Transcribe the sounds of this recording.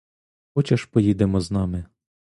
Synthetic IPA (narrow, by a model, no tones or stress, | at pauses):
xɔt͡ʃɐʃpɔjid̪emɔznɑmɪ